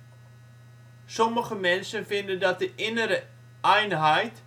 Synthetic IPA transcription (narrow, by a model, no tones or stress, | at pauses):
sɔməχəmɛnsənfɪndəndɑt̚dəʔɪnəɾə | ɛjnɦɛjt